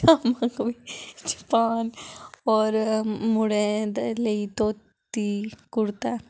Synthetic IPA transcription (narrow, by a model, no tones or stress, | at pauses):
amakʋid͡ʒi̥paːnɔːɾmuɽẽd̪leit̪oːt̪ː | ikuɽt̪a